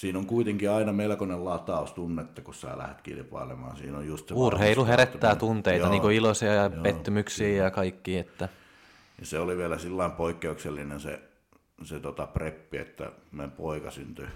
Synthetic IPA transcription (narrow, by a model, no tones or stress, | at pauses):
siːnoŋkuit̪eŋkiɑinɑmelkonellɑːt̪ːɑˑust̪unːet̪ːɑkussæ̰ːlæ̰het̪kḭlpɑ̰ilemɑ̰ːnsḭːnojjust̪seurheiluheɾet̪ːæːt̪unt̪eiɑniːŋkoilosiɑjɑpet̪ːymyksiːjɑkɑikːiːet̪ːæ | niseoliʋiælæsilːɑimpoikːeukselːinensḛ | set̪ot̪ɑprepːiḛt̪ːæ̰mempoikɑsynt̪y